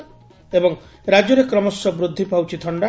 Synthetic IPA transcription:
ebɔŋ | ɾad͡ʒɔɾekɾɔmɔsːɔbɾud̪ʱːipawt͡ʃʰit̪ʰɔɳɖa

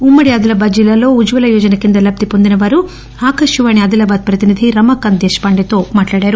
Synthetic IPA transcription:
umːɐɽiɐd̪ulɐbaːd̪d͡ʒilːɐlo̞ːud͡ʒʋɐlɐjuːd͡ʒɐnɐkind̪ɐlɐb̚t̪ipond̪inɐʋaːɾu | aːkɐʂjuʋaːniɐd̪ulɐbaːd̪̚pɾɐt̪inid̪ʱiɾɐmɐːkɐnd̪eːʃpɐɳɖet̪o̞ːmaːʈlaːɽaːɾu

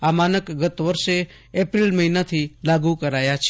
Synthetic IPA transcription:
aːmaːnəkɡət̪ʋəɾʃe | eːpɾilməɦinat̪ʰilaːɡukəɾaːjat͡ʃʰ

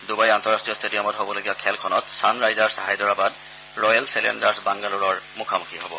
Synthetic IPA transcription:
dubajantɔɹastɹijɔstʰedijɔmɔtɦobɔloɡibakʰɛlkʰɔnɔtsanɹajzaɹsaɦajdɔɹabad | ɹɔjalselḛndaɹsbaŋɡaluɹɔɹmukʰamukʰiɦobɔ̰

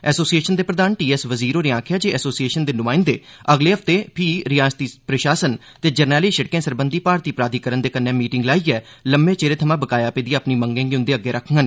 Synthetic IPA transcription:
ɛːsoːsieːʃənd̪eːpɾəd̪aːnʈiːɛsʋəziːɾoːneːãːkʰɪjaːd͡ʒeːɛːsoːsieːʃənd̪eːnʊmaːɪ̃nd̪ḛːəɡleːɦəpʰt̪eːpʰiːɾɪjaːst̪iːpɾəʃaːsən | t̪eːd͡ʒəɾnɛːliːʃəɽkẽːsəɾbənd̪iːpaːɾt̪iːpɾaːd̪iːkəɾənd̪eːkənːɛ̃ːmiːʈɪŋɡlaːiːɛː | ləmbẽːt͡ʃeːɾeːt̪ʰəmãːbəkaːjaːpeːd̪iːpniːmə̃ŋɡẽːŋɡiʊ̃nd̪eːəɡːeːɾʔəkʰɡən

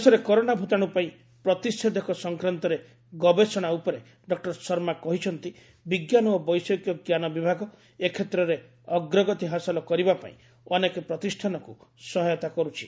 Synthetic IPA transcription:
sɔɾekɔɾoɽ̃abʱut̪aɽ̃upaĩ | pɾɔt̪isʈʰed̪ekʰɔsɔŋkɾant̪ɔɾe | ɡɔbesɔɽ̃aupɔɾe | ɖɔk̚ʈɔɾsɔɾmakɔɦit͡ʃʰɔnt̪i | biɡjanɔːbɔjsɔkjɔɡjanɔbibʱaɡɔ | ekʰet̪ɾɔɾe | ɔɡɾɔɡɔt̪iɦasɔlɔkɔɾibapa̰ḭ̃ | ɔnekɔpɾɔt̪isʈʰanɔkusɔɦɔjɔt̪akɔɾut͡ʃʰi̥

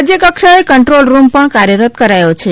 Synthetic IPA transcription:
d͡ʒjəkəkʃaekəɳʈɾolɾumpəɳkaɾjəɾət̪kəɾajot͡ʃʰe

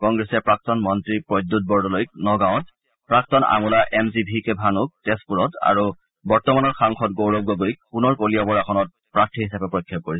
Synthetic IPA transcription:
kɔŋɡɹɛsɛpɹak̚tɔnmɔntɹipɹod̪ut̚bɔɹdɔlojk̚nɔɡãɔ̃t | pɹak̚tɔna̰mulaʔemzibʱikebʱanuk̚tespuɹɔta̰ɹu | bɔɹtɔmanɔɹxaŋxʰɔtɡowɹɔb̚ɡɔɡojk̚punɔɹkolijabɔɹaxʰɔnɔt̚ | pɹaktʰiɦisapɛpɹojkʰːɔp̚koɹisɛ

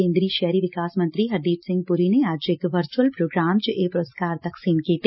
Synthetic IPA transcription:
ẽːnd̪ɾiːʃɛɦɾiʋɪkaːsmɐ̃nt̪ɾiɦɐɾd̪iːʈ̪sɪ̃ŋɡ̚pʊɾineaːd͡ʒeːkʋəɾt͡ʃuwəlpɾoːɡɾaːmt͡ʃʔeːpɾoːskaːɾt̪ɐksiːnkit̪

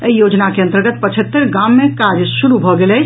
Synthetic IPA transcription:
əijod͡ʒnakeə̃nt̪əɾɡət̪̚pət͡ʃʰət̪ːəɾɡamːekad͡ʒsuɾubʱɔɡelɛt͡ʃʰ

